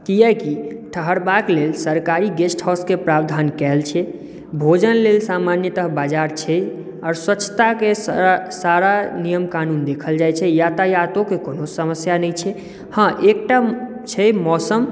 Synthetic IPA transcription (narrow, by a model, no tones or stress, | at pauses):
kijɛkiʈʰəɦəɾbaklelsəɾkaɾiɡesʈʰhɔskepɾabd̪ʱankɛlt͡ʃʰɛ | bʱod͡ʒənlelsamanjət̪əɦbad͡ʒaɾt͡ʃʰɛ | ɔːɾswətːt͡ʃʰːə̥t̪akesaɾanijəmkanund̪ekʰəld͡ʒajt͡ʃʰɛjat̪əjat̪okekonosəməsjanəjt͡ʃʰɛ | hãʔek̚ʈa | t͡ʃʰɛmɔsəm